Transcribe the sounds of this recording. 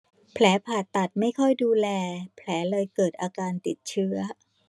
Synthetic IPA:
pʰlɛː˩˦pʰaː˨˩t̪ːa˨˩t̪̚ma˥˩jkʰɔ˥˩jduː˧lɛː˧pʰlɛː˩˦lɤː˧jkɤː˨˩t̪̚ʔaː˧kaː˧nt̪i˨˩t̪̚t͡ɕʰɯ˦˥ɐ

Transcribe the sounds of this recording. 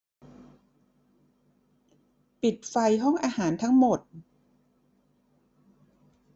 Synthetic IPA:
pi˨˩t̪̚fa˧jɦɔ˥˩ŋʔaː˧haː˩˦nt̪ʰa˦˥ŋmo˨˩t̪̚

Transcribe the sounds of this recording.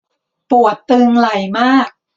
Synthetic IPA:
pu˨˩ət̪ːɯː˧ŋla˨˩jmaː˥˩k̚

